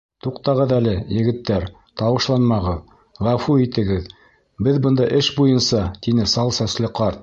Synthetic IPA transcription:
t̪uqt̪ɑʁɤðælɘjɘ̆ɡɘ̆t̪ːæɾ | t̪ɑwɤ̆ʃlˠɑnmɑʁɤð | ʁæfuit̪ɘ̆ɡɘð | bɘðbɤ̆nd̪ɑʔɘʃbujɤnsɑt̪inɘsɑlˠsæslɘqɑɾt̪̚

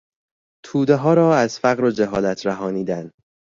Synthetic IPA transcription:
t̪ʰuːd̪eɦɒːɾɒːæz̥fæɣɾod͡ʒeɦɒːlæt̪ʰɾæɦɒːniːd̪æn

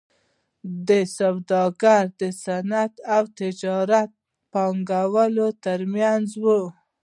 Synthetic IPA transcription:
d̪əsawd̪ɑɡaɾd̪əsanat̪awt̪ɪd͡ʒɑɾat̪̚ | pɑŋɡawəlot̪əɾmjanzwu

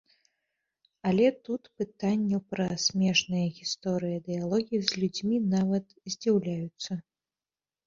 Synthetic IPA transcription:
ɐlʲɛt̪ut̪pɨt̪anʲːɛpɾɐsʲmʲɛʂnɨjɐɣʲist̪ɔɾɨjɐd̪ɨjalˠɔɣʲizʲlʲud͡zʲmʲinavɐt̪zʲd͡zʲiwlʲajut̪sːɐ

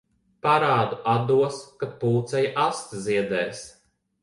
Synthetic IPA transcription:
paɾaːd̪uʔad̪uɔskat̪̚puːt̪sɛjaʔast̪ziɛd̪ɛːs

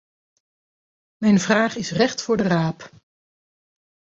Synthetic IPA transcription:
mɛjnvraːχɪsrɛχtfʊːɹdəraːp

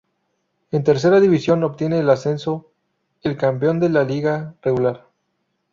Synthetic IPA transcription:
ent̪e̞ɾs̬e̞ɾaðiβisjo̞no̞pt̪je̞ne̞ːlase̞nso̞ | elkampeo̞nd̪e̞laliɣareɣulaɾ

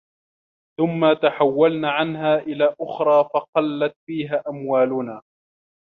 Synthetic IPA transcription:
θʊmːat̪aħawːalnaːʕanɦaːʔɪlaːʔʊxɾˤɑːfɑqɑlːat̪fiːɦaːʔamwaːlʊnaː

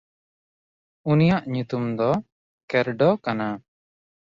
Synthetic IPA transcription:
unijaʔɲut̪umd̪ɔ | kɛɾɖɔkana

